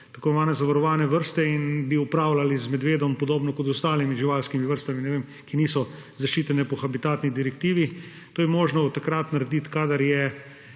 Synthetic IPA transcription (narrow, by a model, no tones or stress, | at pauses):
t̪akɔʋaːnɛzaʋaɾɔʋaːnɛʋəɾst̪ɛinbiupɾaːwlalizmɛd̪ʋeːd̪ɔmpɔd̪oːbnɔkɔt̪ɔst̪aːlimiʒiʋaːlskimiʋəɾst̪aminɛʋeːm | kiniːsɔ | zaʃt͡ʃiːt̪ɛnɛpɔxabit̪aːt̪nid̪iɾɛkt̪iːʋi | t̪oːjɛmoːʒnɔt̪akɾat̪naɾɛd̪it̪kaːd̪ɐɾjɛ